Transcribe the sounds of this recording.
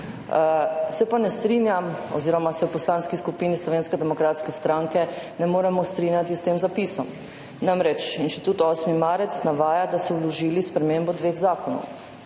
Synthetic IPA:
sɛpanɛst̪ɾinjamɔ̰ziːɾɔmasɛwpɔslaːnskiskupinislɔʋeːnskɛd̪ɛmɔkɾaːt̪skɛst̪ɾaŋkɛnɛmoːɾɛmɔst̪ɾinjat̪ist̪eːmzapisɔm | namɾɛt͡ʃinʃt̪i̥t̪uːt̪ɔːsmimaːɾɛt̪snaʋaːjad̪asɔulɔʒiːlispɾɛmembɔd̪ʋeːɣzaːkɔnɔ̰w

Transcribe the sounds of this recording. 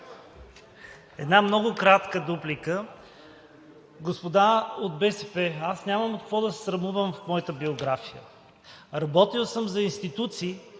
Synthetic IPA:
ɛd̪namnɔɡʊkɾat̪kəd̪uplikə | ɡospod̪aod̪̚bɛsɛpɛasnʲaməmkəkvɔd̪ɐsɛ̥sɾɐvmuvəmfmɔjət̪əbioɡɾafijə̰ | ɾɐbɔt̪ilˠsəmzɐinst̪it̪ut̪siː

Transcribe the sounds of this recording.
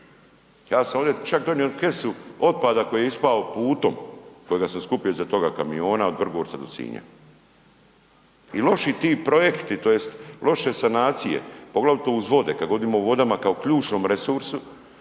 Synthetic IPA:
jaːsamo̞ʋd̪et͡ʃakd̪onioke̞suo̞t̪̚pad̪ako̞jijeispaopuːt̪o̞̰mko̞jeɡasamskupiozat̪o̞ɡakamio̞ːnaod̪ʋr̩ɡoɾt̪sad̪osḭːɲa̰ | ilo̞ʃit̪iːpɾo̞je̞kt̪it̪o̞jest̪lʔo̞ʃesanaːt̪sije̞̰po̞ɡlˠaʋlit̪o̞uzʋo̞d̪e̞kad̪ɡo̞d̪iːmoʋo̞d̪amakaokʎuːt͡ʃno̞ːmɾesuɾsu

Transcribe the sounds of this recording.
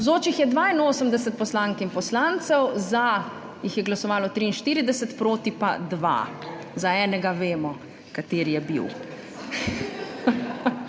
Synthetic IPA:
zoːt͡ʃixjɛd̪ʋainoːsəmd̪ɛsɛt̪̚pɔslaːŋkimpɔslaːnt̪sɛwza | jixjɛɡlasɔʋaːlɔt̪ɾiːnʃt̪iːɾid̪ɛsɛt̪pɾoːt̪ipad̪ʋa̰ | zaɛːnɛɡaʋeːmɔ | kat̪eːɾjɛbḭw

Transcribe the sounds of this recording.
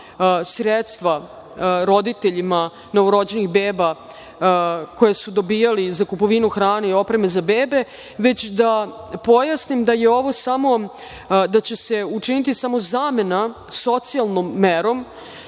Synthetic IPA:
sɾet̪st̪ʋa | ɾo̞d̪it̪e̞ʎima | no̞ʋoɾo̞d͡ʑe̞nixbeːba | kojesud̪o̞biːjalizakupo̞ʋinuxɾaːneio̞pɾe̞me̞zabeːbe̞ | ʋe̞t͡ɕd̪apo̞jasnimd̪aje̞o̞ʋo̞samo̞ | d̪at͡ɕe̞se̞ut͡ʂinit̪isamo̞zaːme̞na | so̞t̪sialˠnomːeɾo̞m

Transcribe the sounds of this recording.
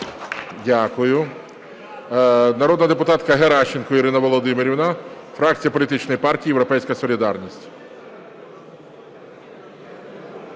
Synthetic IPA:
dʲakʊjʊ | nɐɾɔd̪nɐd̪epʊt̪ɑt̪kɐɦeɾɑʃenkɔiɾɪnɐʋɔlˠɔd̪ɪmɪɾʲiwna | fɾɑk̚t͡sʲijɐpɔlʲit̪ɪt͡ʃnɔjipɑrtʲijːjewɾɔpɛjsʲkɐsɔlʲid̪ɑrnʲisʲtʲ

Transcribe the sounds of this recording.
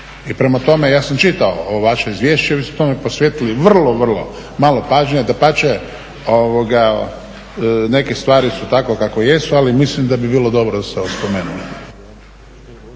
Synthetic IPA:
ipɾe̞mat̪o̞mejaːsamt͡ʃit̪aooʋaʃeizʋje̞ːʃt͡ʃeʋismut̪o̞meposʋjet̪iliʋr̩lˠoʋr̩lˠo̞̰ | maːlˠo̞paːʒɲed̪apat͡ʃe | oʋoɡa | ne̞kest̪ʋaːɾisut̪akokakoje̞sualimislimd̪abibiːlod̪o̞bɾod̪aseospo̞meːnuli

